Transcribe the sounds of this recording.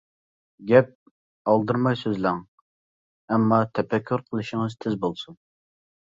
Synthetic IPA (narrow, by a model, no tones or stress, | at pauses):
ɡʲɛp̚ | ɑlˠd̪ɨɾmɑjsøzlæŋ | ɛmːɑt̪ʰɛpɛkʲʰːyɾqʰəlˠɨʃɪŋɨzt̪ʰɪzbolˠsun